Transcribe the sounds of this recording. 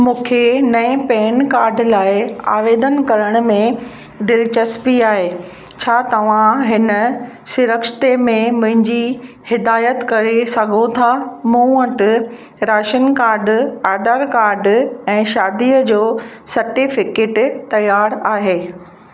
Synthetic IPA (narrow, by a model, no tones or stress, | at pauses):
mũːkʰenɐĩpeːnkaːɾɖlaːɪa̰ːʋeːd̪ənkɐɾəɽ̃ʊ̆mẽ | d̪ɪlt͡ɕəspiaːɦeː | t͡ɕʰaːt̪ɐʋ̤ãɦɪnə | sʊɾəkʃɪ̥t̪emẽmʊ̃ɦɪ̃ɲd͡ʑi | hɪd̪aːjət̪kɐɾesɐɡʱot̪ʰamũəʈ | ɾaːʃənkaːɾɖaːd̪aːɾkaːɾɖɛ̃ːʃaːd̪iəd͡ʑoː | sɐɾʈiːfɪkeːʈt̪ɐjaːɾaːɦeː